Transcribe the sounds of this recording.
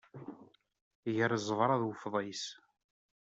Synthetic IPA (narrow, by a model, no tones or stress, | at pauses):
jəɾzˤəvɾˤɑðwəfðˤɑjs